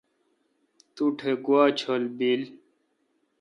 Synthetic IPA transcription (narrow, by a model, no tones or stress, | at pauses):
t̪uʈʰeɡuaːt͡ɕʰolbil